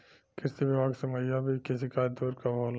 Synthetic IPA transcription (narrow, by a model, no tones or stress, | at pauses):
kɪsiʋɪbaːɡseməjabʱikɪsikad̪oːɾkabʱoːl